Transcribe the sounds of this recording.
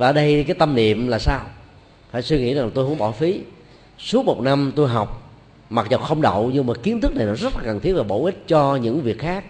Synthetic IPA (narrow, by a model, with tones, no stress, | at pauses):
vaː˨˧˦ɗə˧jkaː˨˦jt̪ə˧mnḭ˧˨əmlaː˨˩saː˧w | faː˧˩jswi˧ŋḭ˧˥za˨˩ŋla˨˩t̪o˧hŋ͡mɓɔ˧˩fi˨˦ | su˦˥ək̚mo˨˩t̚na˧mt̪o˧jɦa˨˩wk͡p̚ | ma˨˩t̚zə˨˩wxə˧wŋ͡mɗə̰˧˨wɲɨ˧maː˨˩ki˨˦ənt̪ʰɨ˦˥k̚na˨˩jnɔ˨˦zə˦˥t̚laː˨kə˨˩nt̪ʰi˦˥ət̚vaː˨˩ɓo̰˧˩ʔi˦˥t̟̚t͡ɕɔ˧ɲɨ̰˧˥ŋvi˨˩ək̚xaː˦˥k̚